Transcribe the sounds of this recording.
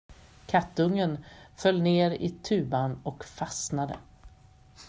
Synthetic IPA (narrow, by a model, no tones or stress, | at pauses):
kʰat̪ːɵŋːənfœlːneːɾɪ̰t̪ʰʉ̟ːbanɔkfasnad̪ə̰